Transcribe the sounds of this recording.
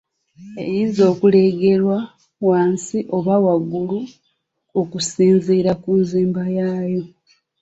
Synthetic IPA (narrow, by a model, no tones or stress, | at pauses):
ḛjizo̞ːkuleɡe̞ɾwa | waːnsiʔo̞βawaɡːulu | okusiːnziːɾakunziːmbajaːjo̞